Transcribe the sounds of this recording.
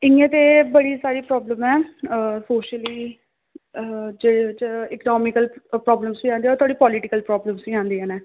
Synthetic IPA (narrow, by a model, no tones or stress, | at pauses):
ɪŋːẽːt̪eːbəɽiːsaːɾiːpɾɔːbləmɛːsoːʃəliː | d͡ʒeːet͡ʃɪkənɔːmɪkəlpɾɔːbləmsʋĩːãːnd̪iɛoːt̪ʰwaːɽiːpɔːlɪʈɪkəlpɾɔːbləmsʋiːãːnd̪iːɛːnɛː